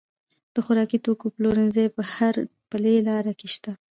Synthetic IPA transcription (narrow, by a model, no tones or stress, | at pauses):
d̪̥əxʊɾɑkit̪okoploɾɪnzejpəhaɾpəlelɑɾakeʃt̪a